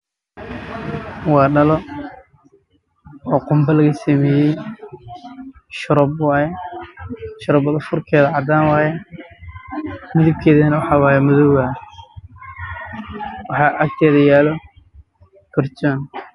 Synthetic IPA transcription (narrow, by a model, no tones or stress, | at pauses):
wɑːɖɐlɔ | ɔːqʊmbɐlɐɣɐsɐmɛːjɛj | ʃʊɾɔbwɑːjɛ | ʃʊɾɔbɔðɐfʊrkʰɛːðɐʕɑd̪aːnwɑːjɛ | mɪðɪb̚kʰɛːðɐnɐwɑħɑːwɑːjɛmʊðɔwɣaː | wɑħɑːʔɐk̚t̪ʰɛːðɐjaːlɔ | pʰɛrt͡ʃɔːn